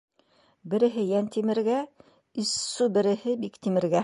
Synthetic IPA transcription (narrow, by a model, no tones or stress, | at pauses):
bɘ̆ɾɘ̆ɦɘjænt̪imɘ̆ɾɡæ | isːubɘ̆ɾɘ̆hɘbikt̪imɘ̆ɾɡæ